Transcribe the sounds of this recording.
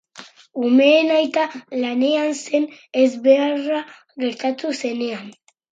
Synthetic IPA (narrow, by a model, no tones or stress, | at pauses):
umenajt̪alaneansenezbera | ɣeɾt̪at̪useneam